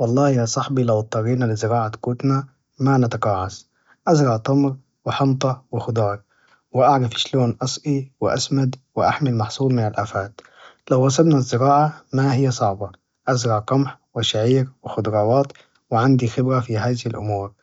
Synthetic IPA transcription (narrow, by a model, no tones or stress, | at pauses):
wɑlˤːɑːhjasˤɑħbilawt̪ˤːɑɾiːnalɪzɪɾɑːʕakuːt̪na | manat̪ɑqɑːʕas | ʔazɾɑʕt̪ˤɑmɾ | wɪħɑmt̪ˤɑwɪxʊd̪ɑːɾˤ | wɪʔaʕɾˤɑfɪ̥ʃloːnʔɑsˤʔiwɪʔa̰smad̪wɪʔa̰ħmɪlmɑħsˤuːlmɪnalʔaːfaːt̪ | lawɣɑs̬ˤɑbnazːɪɾɑːʕamaɦɪjːasˤɑʕbɑ | ʔazɾɑʕqɑmħwɪʃaʕiːɾwɪxʊd̪ɾˤɑːwɑːt̪ | wɪʕand̪ixɪbɾafiɦaːzɪhɪlʔʊmuːɾ